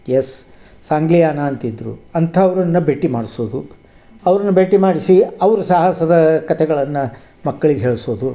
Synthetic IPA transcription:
jesː | aːŋɡlijaːnaːnt̪id̪ɾṵɐnt̪ʰɐːʋɐɾɐnːɐbeʈːimaːɽisoːd̪u | ɐʋɐɾɐnːɐbeʈːimaːɽisiɐʋɐɾusɐɦɐsɐd̪ɐkɐt̪ʰɛɡɐɭɐnːɐ | mɐkːɐɭiɡeɦeːɭsoːd̪u

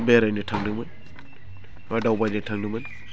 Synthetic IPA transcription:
beɾajnɯtʰaŋdɯmɯn | adawbajnɯtʰaŋdɯmɯn

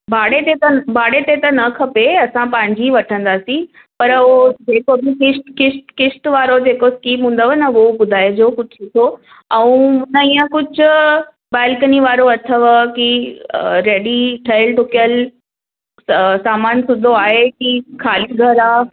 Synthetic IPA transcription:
bʱaːɽet̪et̪ɐbaːɽet̪et̪ɐnɐkʰɐpeɐsãpɐ̃ɦɪ̃ɲd͡ʑiʋɐʈʰə̃nd̪aːsĩ | pɐɾod͡ʑeːkobɪkɪʃʈkɪsʈkɪsʈʋaːɾod͡ʑeːkoskiːmɦũːn̆d̪oʋənəʊobʊd̪ʱaːɪjd͡ʑokʊd͡ʑʱit̪ʰo | ɛ̃ũʊnəiːə̃kʊd͡ʑʱʊ̆ | baːɪlkəniʋaːɾoɐt̪ʰəʋki | ɾeːɽiʈʰɐɪlʈʊkijəl | saːmaːnsʊd̪ʱoaːɦekikʰaːliɡʱɐɾaː

